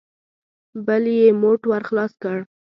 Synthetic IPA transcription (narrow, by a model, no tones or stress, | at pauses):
bəljemoʈwaɾxlɑskəɽ